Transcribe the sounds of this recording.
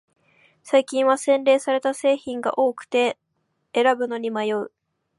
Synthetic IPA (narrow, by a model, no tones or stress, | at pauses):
saikʲĩɰ̃βasẽ̞nɾe̞ːsaɾe̞t̪ase̞ːçĩŋɡa̰ʔo̞ːkɯ̟̥t̪e̞ː | ɾabɯ̟no̞ɲ̟imajoɯ